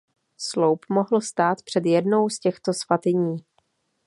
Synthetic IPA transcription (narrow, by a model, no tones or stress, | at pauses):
slowpmoɦl̩st̪aːt̪pr̝̥ɛd̪jɛdno̞wscɛxt̪o̞sfat̪ɪɲiː